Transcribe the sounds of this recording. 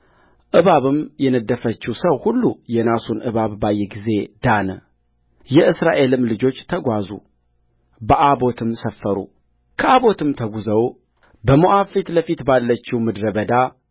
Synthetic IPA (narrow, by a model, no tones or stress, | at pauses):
ʔɨβaβɨmjɛnəd̪ːəfət͡ʃːusəwhulːujɛnasunʔɨβaβbajːɛɡize̞d̪̥anə | jɛʔɨsɾaʔe̞lɨmlɨd͡ʒo̞t͡ʃːt̪ʰəɡʷazṵ | bəʔabo̞t̪ʰɨmsəfːəɾṵ | kʰəaβo̞t̪ɨmt̪ʰəɡuzəw | bəmoʔafit̪ləfit̪balːət͡ʃːiwmɨd̪ɾəbəd̪a